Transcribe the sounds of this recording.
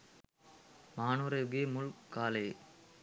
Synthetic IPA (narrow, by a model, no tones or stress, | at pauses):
maːnuɾɐjɡeːmʊɭkaːlɐɪ